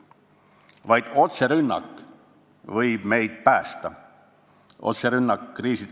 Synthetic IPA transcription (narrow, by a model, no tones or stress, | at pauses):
vɑjd̪̥o̞t̪se̞ɾynːɑ̰kːˑ | vɤjb̥me̞jd̪̥̚pæːst̪ɑ | ʔo̞̰t̪seɾynːɑkːriːsi